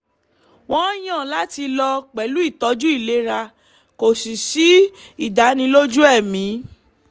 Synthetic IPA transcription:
w̃ɔ̃˦j̃ã˦˨la˨˦ti˧lɔ˧k͡pɛ˨lu˨˦i˦˨tɔ˨˧˦d͡ʒu˦i˦˨le˨˦ɾa˧ | ko˨si˨si˨˦i˦˨da˨˦nĩ˧lo˦d͡ʒu˦ɛ˦˨mĩ˨˦

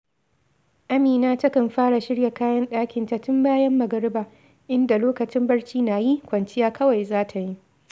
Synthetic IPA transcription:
ʔa˦miː˨naː˦tɐ˦kɐ˨mɸaː˦ɽa˨ʃɪ˦ɽja˨kaː˦jɐ˦nɗaː˦kʲɪ˨nta˨tʊ˦mbaː˦jɐ˦mːɐ˨ɡɐ˦ɽɪ˦baː˨ | ʔɪ˦nda˨loː˦kɐ˨t͡ʃɪ˦mbɐ˦ɽt͡ʃiː˦naː˨ji˦kʷɐ˨nt͡ʃɪ˦jaː˦kɐ˦wa˨jzaː˦tʰa˨ji˦

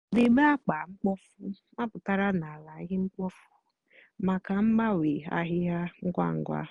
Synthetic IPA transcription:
de˨ɡ͡be˦a˦k͡pa˨ŋ͡m̩˦k͡pɔ˦fʊ˦ | ma˦pʊ˨ta˦ɾa˦na˨la˨˦ɦɪ˦ŋ͡m̩˦k͡pɔ˦fu̥˦ | ma˨ka˨m̩˦ɡ͡ba˦we˨a̰˦ɦɪ˦ja˦ŋ̩˦ɡʷa̰˦˨ŋ̩˦ɡʷa̰˦

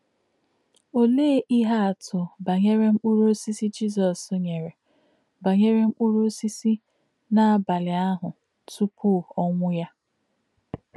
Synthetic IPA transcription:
o˦le˦ʔi˦ɦa˦a˨tʊ˨ba˨ɲe˦ɾe˦ŋ͡m̩˦k͡pu˦ɾo˦si˦si˦d͡ʒi˦˨zɔ˨so˦ɲe˨ɾe˨ | ba˨ɲe˦ɾe˦ŋ͡m̩˦k͡pu˦ɾo˦si˦si˦ | na˦a˨ba˨lɪ˨a˦ɦʊ˨ | tu˦pʰʊ˦˨ɔ˦ŋʷʊ˦ja˦

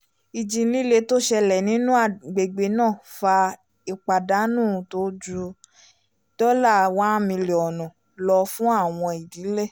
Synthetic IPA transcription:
i˨d͡ʒĩ˧˦li˦le˧to˦ʃɛ˧lɛ˨nĩ˨˦nũ˦a˦˨ɡ͡be˨ɡ͡be˧˦nãː˦˨fa˧ | i˧k͡pa˨da˨˦nũ˦˨to˦d͡ʒu˧ | tɔ˦la˦˨wã˦mĩ˧le˨ɔ˨nɔ̃˨ | lɔ˧fũ˦a˦˨w̃ɔ̃˧i˨di˨˦lɛ˦˨

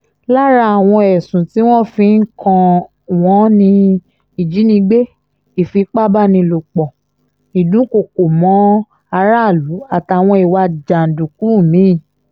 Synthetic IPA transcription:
la˦ɾa˧a˨w̃ɔ̃˧ɛ˨sũ˨ti˨˦w̃ɔ̃˦fĩ˧˦n̩˦kɔ̃˧ | w̃ɔ̃˨˦nĩ˧ | i˨d͡ʒi˨˦nĩ˧ɡ͡be˦ | i˨fi˧˦k͡pa˦ba˦nĩ˧lo˨k͡pɔ˨ | i˨dũ˨˦ko˨ko˨mɔ̃˨˦ | a˧ɾa˦˨lu˨˦a˨ta˨w̃ɔ̃˧i˨wa˧d͡ʒa˨n̩˨dũ˨ku˨˦˨mĩ˨˦˨

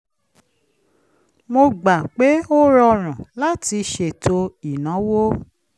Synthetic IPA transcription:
mo˧ɡ͡ba˨k͡pe˨˦o˦ɾɔ˧ɾ̃ã˨la˦ti˧ʃe˨to˧i˨nã˨˦wo˦

